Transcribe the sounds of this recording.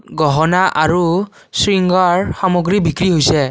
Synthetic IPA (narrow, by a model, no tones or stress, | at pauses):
ɡɔɦɔnaʔaɹu | sɹiŋɡaɹxamoɡɹibʱikɹiɦojsɛ